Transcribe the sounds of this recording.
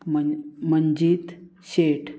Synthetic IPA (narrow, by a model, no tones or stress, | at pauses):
məməɲd͡ʑiːt̪ɕeʈʰ